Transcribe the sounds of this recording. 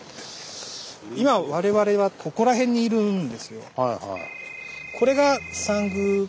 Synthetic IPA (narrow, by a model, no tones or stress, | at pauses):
imaβaɾe̞βaɾe̞βakʰo̞ko̞ɾaɦẽ̞ɲ̟ːiːɾɯ̟̃nd̪e̞sɨjo̞hajha̰ | kʰo̞ɾe̞ɡasãŋɡɯ